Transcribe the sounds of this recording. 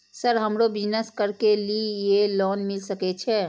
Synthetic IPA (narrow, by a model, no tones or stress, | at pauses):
səɾɦəmɾobid͡ʒnəskəɾkelijelɔnmilsəkɛt͡ʃʰɛ